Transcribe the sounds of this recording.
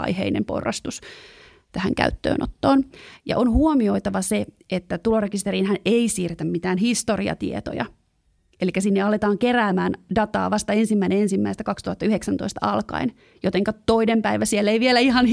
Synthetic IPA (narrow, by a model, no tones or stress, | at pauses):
ɑ̰ihḛinḛmpo̰rːɑ̰st̪us | t̪æhæ̰ŋkæ̰yt̪ːø̰ːno̰t̪ːoːnjɑ̰ʔonhuomioit̪ɑʋɑse | et̪ːæt̪ulorekist̪eɾiːnhæneisiːrt̪æmmit̪æːnhist̪oriɑ̰t̪ḭḛt̪o̰jɑ̰ | ʔelikːæsinːeɑlet̪ɑːŋkeræːmæːndɑt̪ɑ̰ːʋɑst̪ɑensimːæinenensimːæist̪ækɑkst̪uhɑt̪ːɑyheksænt̪oist̪ɑɑlkɑ̰in | jot̪eŋkɑtt̪oinempæiʋæsielːeiʋielæihɑn